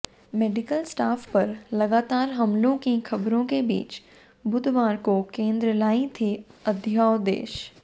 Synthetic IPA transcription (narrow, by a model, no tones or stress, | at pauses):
meːɖɪkəlsʈaːfpɐɾlɐɡaːt̪aːɾɦɐmlõkixʰɐbɾõkebḭːt͡ʃ | bʊd̪ʱʋaːɾkokẽːnd̪ɾəlaːĩt̪ʰiɐd̪ʱjaːod̪ḛːʃ